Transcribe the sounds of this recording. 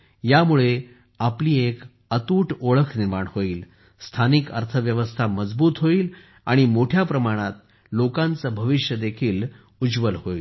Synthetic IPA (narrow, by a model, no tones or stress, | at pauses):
jamuɭe | apliːek | ət̪uːʈoɭəkʰniɾmaɳhoiːl | st̪ʰanikə̰ɾt̪ʰəʋjəʋəst̪ʰaməd͡zbuːt̪ɦoiːl | a̰ɽ̃imoʈʰjapɾəmaɽ̃at̪̚ | lokãnt͡səbʱəʋiʂjəd̪ekʰiːl | ud͡zʋəlhoiːl